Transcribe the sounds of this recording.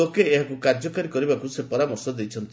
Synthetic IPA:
okeːɦakukaɾd͡ʒɔkaɾikɔɾibakusepɔɾamɔɾsɔd̪ejt͡ʃʰɔnt̪i

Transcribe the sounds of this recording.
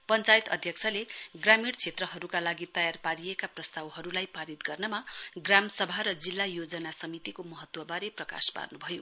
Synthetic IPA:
pʌnt͡sajt̪ʌ̰d̪ʱjʌk̚t͡sʰʌleɡramiɽt͡sʰet̪rʌɦʌɾukalaɡit̪ʌjarpaɾijekaprʌst̪awɦʌɾulajpaɾit̪ɡʌrnʌmaɡramsʌbʱaɾʌd͡zilːajod͡zʌnasʌmit̪ikomʌɦʌt̪wʌbaɾeprʌka̰spa̰rnubʱʌjo

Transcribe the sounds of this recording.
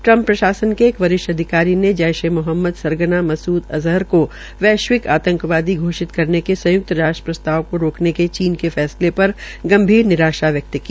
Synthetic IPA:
ʈɾɐ̃mpːɾɐʃaːsənkeːkʋɐɾɪʃʈɐd̪ʱɪkaːɾined͡ʒɐjʃemʊɦəmːəd̪sɐɾɡənamɐsuːd̪ɐzɦəɾko | ʋɛːʃwɪkaːt̪ə̃ŋkʋaːd̪iɡʱoːʃɪt̪kɐɾnekesɐ̃jʊk̚t̪ɾaːʃʈɾə̥pɾɐst̪ʰaːʋkoɾoːkneket͡ʃiːnkefɛːslepɐɾ | ɡɐ̃mbʱiːɾnɪɾaːʃaʋjɐk̚t̪ki

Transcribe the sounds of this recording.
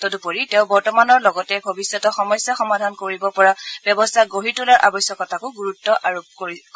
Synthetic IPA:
todupoɹitẽʊ̃bɔɹtɔmanɔɹlɔɡɔtɛbʱobisːɔtɔxɔmɔjsjaxɔmadʱankoɹibɔpɔɹab̥jɔbɔstʰaɡoɦitulaɹʔa̰bɔsjɔkɔtʰakʊɡuɹutːɔʔaɹop̚koɹi

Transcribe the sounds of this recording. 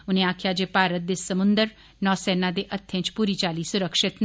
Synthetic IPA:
ʊnẽːaːkʰɪjaːd͡ʒeːpaːɾət̪̚d̪eːsəmʊ̃nd̪əɾ | nɔːsɛːnãːd̪eːʔət̪ʰːə̃t͡ʃpuːɾiːt͡ʃaːliːsʊɾəkʃɪt̪n

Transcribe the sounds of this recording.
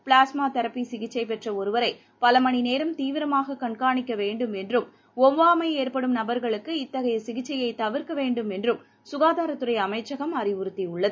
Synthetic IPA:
pɭaːsmaːt̪ɐɾɐpːisɪɣɪt͡ʃːɐɪpɛʈrɐɔɾɯʋɐɾɐɪ | pɐlɐmɐɳineːɾɐmt̪iːʋɪɾɐmaːɣɐkɐɳkaːɳɪkːɐʋeːɳɖɯmɛndrɯm | ɔʋʋaːmɐɪeːɾpɐɽɯmnɐbɐɾɣɐɭɯkːɯɪt̪ːɐɣɐjɐsɪɣɪt͡ʃːɐjɐɪt̪ɐʋɪɾkɐʋeːɳɖɯmɛndrɯm | sʊɣaːðaːɾɐt̪ːɯrɐɪɐmɐɪt͡ʃːɐɣɐmɐrɪʋʊɾɯt̪ːiʊɭːɐðɯ

